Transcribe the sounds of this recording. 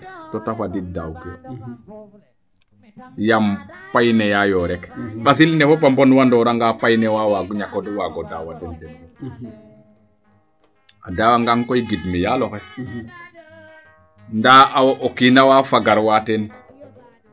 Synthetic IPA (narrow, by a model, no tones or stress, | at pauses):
totafadidawkɔ | jampajnɛjajɔɾɛkɓasilnɛfopambonwandɔɾaŋɡapajnɛwawaɡuɲakɔdwaɡɔdawadɔndɛn | adawaŋɡaŋkojɡidmijalokɛ | ndaʔawoʔokinawaːfaɡaɾwaːten